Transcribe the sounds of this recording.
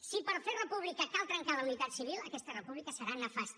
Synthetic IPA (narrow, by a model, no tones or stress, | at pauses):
sipəɾferəpuβ̞likəkalˠt̪ɾəŋkaləunit̪at̪siβ̞ilˠəkɛst̪ərəpuβlikəsəɾanəfas